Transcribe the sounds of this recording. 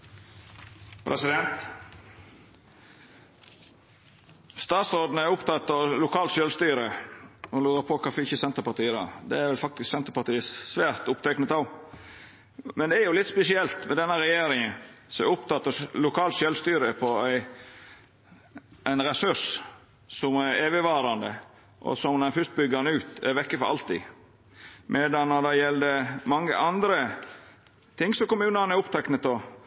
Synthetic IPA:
pʰɾɛsɪd̪ɛnt̪ | st̪ɑːt̪sɾoːd̪n̩əæʊpt̪ɑt̪ːɑʋlʊkʰɑːlt̪ʃœlst̪yːɾəɔlʉːɾəpʰɔkʰɑfɔɪçəsɛnt̪əɾpɑt̪iːəd̪ɑ̰d̪ɛæɾʋɛlfɑkt̪ɪsksɛnt̪əɾpɑt̪iːəsʋæːɾt̪ʊpt̪ʰɛknət̪ɑʋ | mɛnd̪ɛæɾjʊlɪt̪spɛsɪɛlt̪mɛd̪ɛnːəɾɛjeːɾɪŋənsɔʊpt̪ʰɑt̪ːəlʊkʰɑːlt̪ʃɛlst̪yːɾəpʰɔæɪ | ʔæɪnɾɛsʉʂ | sɔmæɾeːʋəʋɑːɾɑnd̪ə | ʔɔ̰sɔmnɛfʉst̪̚bʏɡəɾnəʉːt̪æɾʋɛkːəfɔɾʔɑ̰lt̪ɪ̰ | mʔɛd̪ɑnːɔd̪ɑjɛld̪əmɑŋːə̰ʔɑnd̪ɾə | t̪ʰɪŋːsɔmkʊmʉːnənæɾʊpt̪ʰɛknət̪ɔ

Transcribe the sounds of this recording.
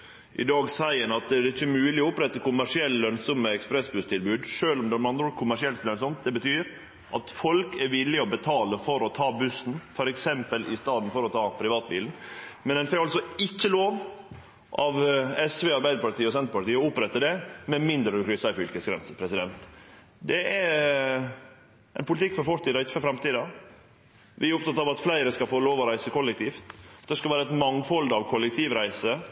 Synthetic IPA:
ʔɪd̪ɑːɡsæɪənɑt̪d̪ɛɪçːəmʉːlɪɔʊpɾɛt̪ːəkʊmæʂɪɛlːlœnsɔməɛkspɾɛsbʉst̪ʰɪlbʉːd̪ʂøːlɔmd̪ɛmɑnd̪ɾɔːkʰʊmæʂɪɛlt̪œnsɔmt̪̚d̪ɛbət̪ʰyːɾ | ʔɑ̰t̪fɔlkɛɾʋɪlːɪɔbət̪ʰɑːləfɔɾɔt̪ʰɑːbʉsn̩fɔɾɛksɛmpəlʔɪst̪ɑːd̪n̩fɔɾɔt̪ʰɑːpʰɾɪʋɑːt̪̚biːln̩mɛnd̪ɛnfɛkɑlsɔɪkːəloːʋ | ʔɑʋɛsʋɛːɑɾbæɪd̪əpɑʈ̪iːɔsɛnt̪ɾəpɑʈiːəɔʊpɾɛt̪ːəd̪ɛmɛmɪnd̪ɾəʉkʰɾʏsɑɪfʏlkəsɡɾɛ̰nsəpʰɾɛsɪd̪ɛnt̪ | d̪ɛʔɛɾ | ʔɛɪnpʰʊlɪt̪ʰɪkːfɔɾfɔɾt̪iːd̪ɑɪt̪ːfɔfɾɑmt̪ʰiːd̪ɑ | ʋʔɪæɾʊpt̪ɑt̪ɑʋɑt̪flæɪɾəskɑfoːloːʋɔɾæɪsəkʰɔlːɛk̚t̪ʰiːft̪t̪̚d̪ɛskɑʋæːɾəɛt̪mɑŋfɔld̪ɑʋkʰɔlːɛk̚t̪ʰiːʋɾæɪsə

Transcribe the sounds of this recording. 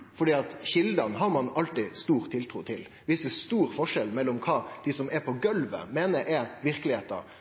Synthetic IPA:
fɔɖiːɑt̪çɪld̪ɑnɦɑɾmɑnɑlt̪ɪst̪uːɾt̪ʰːɪlt̪ʰɾuːt̪ʰɪl | ʋɪsəst̪uːɾfɔʂɛlmɛlːɔmkʰɑːd̪̥ɪsɔmɛpʰɔɡœlʋə̰meːnəɾɛɾʋɪɾkəlɪheːt̪ə̰ɾ

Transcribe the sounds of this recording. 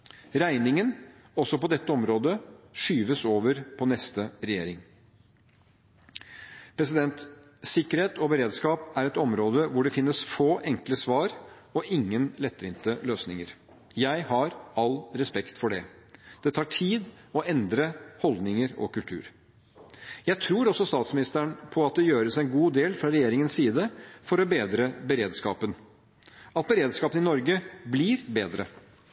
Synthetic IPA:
ɾæɪnɪŋən | ɔsɔpɔd̪ɛt̪ːəɔmɾoːd̪əʂyːʋəsoːʋəɾpʰɔnɛst̪əɾɛjḛːɾɪŋ | pʰɾɛs̬ɪd̪ɛnt̪ | sɪkːəɾheːt̪ɔbəɾeːd̪skɑːpæɾɛt̪ɔmɾoːd̪əʋʊɖɛfɪnːəsfoːʔɛŋkləsʋɑːɾ | ɔʔɪŋːənlɛt̪ːʋɪnt̪əløːsnɪŋəɾ | jæɪhɑɾɑlɾɛspɛkt̪fɔɖɛ | d̪̥ɛt̪ʰɑːʈʰiːd̪ɔʔɛnd̪ɾəhɔld̪nɪŋəɾɔ̰kʉlt̪ʰʉ̰ːɾ | jæɪt̪ʰɾuːɾɔsɔst̪ɑːt̪smɪnɪst̪əɳpʰɔɑt̪̚d̪ɛjøːɾəsɛnɡuːd̪eːlfɾɑɾɛjeːɾɪŋənssiːd̪əfɔɾɔbeːd̪ɾəbəɾeːd̪skɑ̰ːpən | ɑt̪̚bəɾeːd̪skɑːpənɪnɔɾɡəbliɾbeːd̪ɾə̰

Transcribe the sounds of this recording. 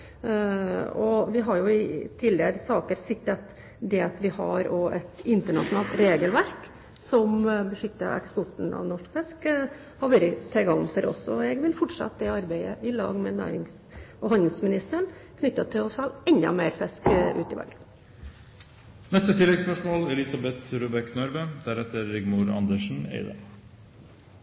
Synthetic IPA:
ɔʋɪɦɑɾjʊɪt̪ʰiːlɪəɾsɑːkəɾsɪkt̪ɑt̪ | d̪ɛɑt̪ʋɪhɑɾoːʔɛt̪ɪnt̪əɳɑʂʊnɑːlt̪ɾeːɡəlʋæɾk | sɔmbəʂʏt̪ːə̰ʔɛ̰kspɔʈːɳ̩ɑ̰ʋnɔʂkfɛsk | hɑɾʋæɾət̪ʰɛɡɑŋnfɔɾɔ̰sɔɛɡʋɪlfɔʈʂɑ̰t̪ːd̪ɛɑɾbæɪəʔɪlɑ̰ːɡmɛnæ̰ːɾɪŋs | ɔhɑnd̪əl̩smɪnɪst̪əɳkʰnʏt̪ːɑt̪ʰɪlɔsɛlɛnd̪ɑ̰meːɾfɛskʉ̰ːt̪ɪʋæ̰lɡən | nɛst̪ət̪ʰɪlːɛɡspœʂmoːlɛlɪsɑbɛt̪ɾuːbɛknœɾʋəd̪̥æɾɛt̪əɾːɪɡmʊɾɑ̰nd̪əʂn̩ḛɪd̪ɑ

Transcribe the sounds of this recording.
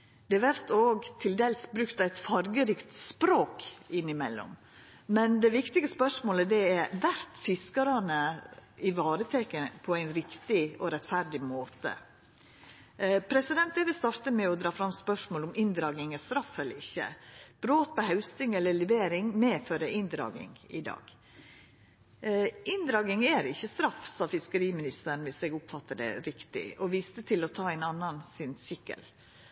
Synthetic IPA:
d̪̥ɛɛʋæɾt̪oːɡt̪ʰɪld̪eːlsbɾʉkt̪ɑæɪt̪fɑɾɡəɾɪːkt̪spɾoːkɪnːɪmɛ̰lːɔ̰m | mɛnd̪ɛʋɪkt̪ɪɡəspœʂmoːləd̪ɛæʋæɾt̪fɪskɑɾɑnəɪʋɑːɾət̪ʰɛkənpʰɔæɪnɾɪkt̪ɪɔɾɛt̪fæɾɖɪmoːt̪ə̰ | pʰɾɛsɪd̪ɛnt̪eːʋɪst̪ɑɾt̪əmɛɔd̪ɾɑːfɾɑmspœʂmoːlʊmɪnd̪ɾɑːɡɪŋɛst̪ɾɑfɛlːəɾɪçːə̰b̥ɾoːt̪̚pɔɦɑʉst̪ɪŋɛlːəlɪʋeːɾɪŋmeːføːɾəʔɪnd̪ɾɑ̰ːɡɪ̰ŋɪ̰d̪ɑ̰ːɡ̥ | ɪnd̪ɾɑːɡɪŋæɾɪçːəst̪ɾɑfsɑːfɪskəɾiːmɪnɪst̪əɾɳʋɪsɛɡʊpfɑt̪ːəd̪ɛ̰ɾɪkt̪ɪ̰ɔʋiːst̪ət̪ʰɪlɔt̪ʰɑːæɪnɑnːɑnsɪnsʏkːə̰l

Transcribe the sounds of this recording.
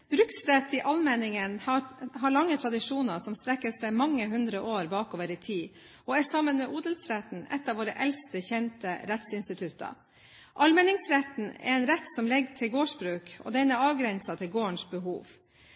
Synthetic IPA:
b̥ɾʉksɾɛt̪ːɪʔɑlmɛnɪŋənhɑɦɑɾɭɑŋːət̪ʰɾɑd̪ɪʂuːnɑɾsɔmst̪ɾɛkːəsæɪmɑŋːəɦʉnd̪ɾəʔoːɾbɑːkoːʋəɾɪt̪ʰiː | ʔɔæsɑmənmɛːʔuːd̪əlsɾɛt̪n̩ɛ̰t̪ːɑʋoːɾə̰ʔɛlst̪əçɛnt̪əɾɛt̪sɪnst̪ɪt̪ʰʉt̪ːɑ̰ | ʔɑlmɛnɪŋsɾɛt̪n̩ɛ̰ɾɛɪnɾɛt̪sɔmlɛɡt̪ʰɪlɡoːʂbɾʉːkɔ̰d̪ɛnəɑːʋɡɾɛnsɑt̪ʰɪlɡoːəɳʂbəɦṵːʋ

